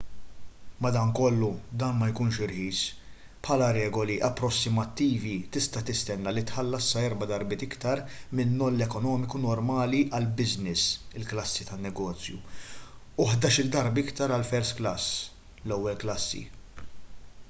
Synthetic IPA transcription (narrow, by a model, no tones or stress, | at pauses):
mɐd̪ɐːnkɔlːud̪ɐːnmɐjkuːnʃɪɾħiːs | pħɐːlɐɾɛːɡɔliʔɐpːɾɔsːɪmɐt̪ːiːvit̪ɪst̪ɐt̪ɪst̪ɛnːɐlit̪ħɐlːɐsːɐɛɾbɐd̪ɐɾbɪːt̪ɪkt̪ɐɾmɪnːɔlːɛkɔnɔːmɪkunɔɾmɐːliʔɐlbɪznɪsɪlklɐsːit̪ɐnːɛɡɔːt͡sjṵ | uħd̪ɐːʃɪld̪ɐɾbɪkt̪ɐɾɐlfɛɾsklɐs | lɔwːɛlklɐsːḭ